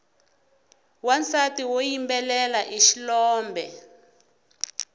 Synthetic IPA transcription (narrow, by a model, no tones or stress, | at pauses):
want͡satiwojimbɛlɛlaʔiʃilɔːmbɛ